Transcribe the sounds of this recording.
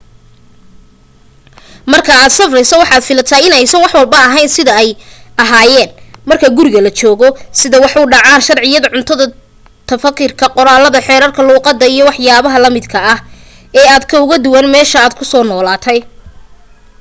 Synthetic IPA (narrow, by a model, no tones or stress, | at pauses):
mɐrkʰɐaːd̪sɐfrɛjsɐwɑħɑːd̪fɪlɐt̪ʰaːɪnɛjsɐnwɑħwɐlbɐɐɦɛjnsɪðɐɛjɐɦaːjɛːnmɐrkʰɐɡʊɾɪɣɐlɐt͡ʃɔːɣɔsɪðɐwɑħuːɖɑʕaːnʃɐrʕɪjɐðɐʕʊnt̪ʰɐðɐ | t̪ʰɐfɐkʰːɪrkʰɐqɔɾaːlɐðɐħɛːɾɐrkʰɐluːqɑd̪ːɐijɞwɑħjaːβɐɦɐlɐmɪd̪kʰɐːh | ɛːaːd̪kʰɐʊɣɐd̪ʊwɐnmɛːʃɐaːd̪̚kʰʊsɔːnɔːlaːt̪ʰɛj